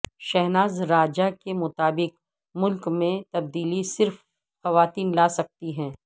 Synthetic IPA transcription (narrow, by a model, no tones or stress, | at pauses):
ʃɛɦnaːzɾaːd͡ʒakemʊt̪aːbɪq | mʊlkmẽt̪ɐb̚d̪iːlisɪɾf | xɐʋaːt̪iːnlaːsɐk̚t̪iɦɛ̃ː